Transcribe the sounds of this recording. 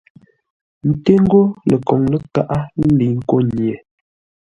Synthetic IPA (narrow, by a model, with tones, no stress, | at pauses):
n̩˦te˦ŋ̩˦ɡo˦lə˨kɔ˨ŋlə˦ka˦ʔa˦n̩˦li˨ŋ̩˦ko˦˨nje˨